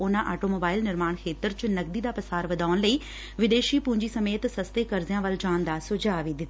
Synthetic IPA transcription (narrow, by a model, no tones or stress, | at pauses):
ʊnãʔaːʈomoːbaːɪlnɪɾmaːɽ̃kʰeːt̪əɾt͡ɕʊnɐɡ̚d̪id̪apɐsaːɾʋɐd̪aːʊñləiː | ʋɪd̪eːʃiːpʊ̃ːɲd͡ʑisɐmeːt̪sɐst̪ekɐɾzijãʋəld͡ʒaːnd̪asʊd͡ʒaːʋed̪ɪt̪ː